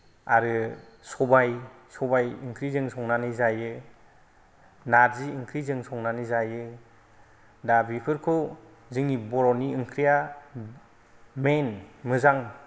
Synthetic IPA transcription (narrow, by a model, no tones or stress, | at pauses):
a̰ɾɯ | sɔbaj | sɔbajɯŋkʰɾizɯŋsɔŋnanizajɯ | naɾziːŋkʰɾizɯŋsɔŋnanizajɯ | dabipʰɯɾkʰɔ | zɯŋibɔɾɔniɯŋkʰɾija | menmɯzaŋ